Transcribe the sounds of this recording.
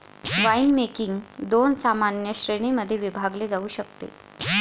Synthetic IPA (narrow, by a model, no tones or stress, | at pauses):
ʋainmekiŋɡd̪onsamanjəɕɾeɽ̃iməd̪ʱːjeʋibʱaɡled͡zauːɕəkt̪ḛ